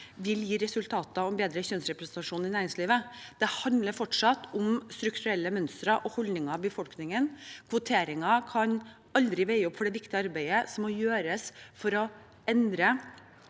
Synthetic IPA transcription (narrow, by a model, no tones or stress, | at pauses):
ʋɪljiːɾɛsʉlt̪ʰɑːt̪ɑɔmbeːd̪ɾəçœnsɾɛpɾəɛsnt̪ɑʂuːnɪnæːɾɪŋsliːʋəd̪̥ɛhɑnd̪ləɾfɔʈʂɑt̪ʊmst̪ɾʉkt̪ʉɾɛlːəmœnst̪ɾɑʔɔhɔlnɪŋɑʋbəfɔlknɪŋənkʰʋʊt̪ʰeːɾɪŋɑkʰɑɲ | ɑld̪ɾɪʋæɪəɔpːfɔɖɛʋɪkt̪ɪəɑɾbæɪəsɔmːɔjøːɾəsfɔɾɔ | ɛnd̪ɾə